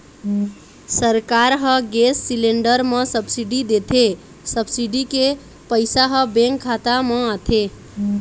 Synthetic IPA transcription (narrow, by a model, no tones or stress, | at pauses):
səɾkaɾɦəɡesːileɳɖəɾmesəbsiɖid̪et̪ʰe | səbsiɖike | pəɪjsaɦəbẽŋkʰːat̪aməat̪ʰe